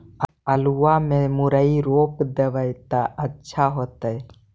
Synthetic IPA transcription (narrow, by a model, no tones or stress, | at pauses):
əluwamẽmuɾəiɾoːpd̪eʋəjt̪əʔətːʃʰaɦot̪əj